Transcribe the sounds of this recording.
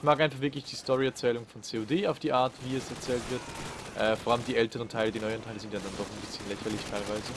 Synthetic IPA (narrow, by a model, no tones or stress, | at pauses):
ɪçmaːkʔaɪnfaχv̥ɪɐklɪçd̥iːstɔʁiɛɐt͡sɛːlʊŋfɔnt͡seːodeːaʊfd̥iːʔaːɐtv̥iːɛsɛɐt͡sɛːltv̥ɪɐtʔɛːfoːʁaləmdiːɛltəʁəntʰaɪlədiːnɔʏəʁəntʰaɪləzɪntjadandɔχanbɪsçənlɛçɐlɪçtʰaɪlvaɪzə